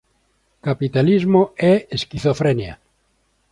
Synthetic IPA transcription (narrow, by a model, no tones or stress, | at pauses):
kapit̪alizmoɛeskiθofɾenja̰